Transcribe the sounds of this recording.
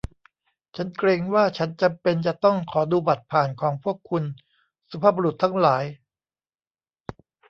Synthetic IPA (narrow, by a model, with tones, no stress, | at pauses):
t͡ɕʰa˦˥nkɾeː˧ŋwaː˥˩t͡ɕʰa˦˥nt͡ɕa˧mpe˧nt͡ɕa˨˩ʔt̪ɔ˥˩ŋkʰɔː˩˦duː˧ba˨˩t̪̚pʰaː˨˩nkʰɔː˩˦ŋpʰu˥˩əkʰːu˧n | sa˧pʰaː˥˩bo˧ɾu˨˩t̪ʰːa˦˥ŋlaː˩˦j